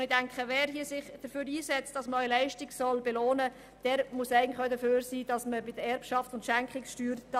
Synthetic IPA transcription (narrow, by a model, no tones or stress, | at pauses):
nɪdæŋkχəʋɛːɾhiəsɪχd̥əføːɾiːsɛt͡st̚d̥ɑsməœʏəlɛɪʃtiɡsɔlbɛloːnə | d̥ɛːɾmusæɪɡəntlɪəχœʊdəføːɾsiːd̥ɑsməbɪdəɾɛɾpʃɑftʊntʃæŋkχɪkʃtyːɾt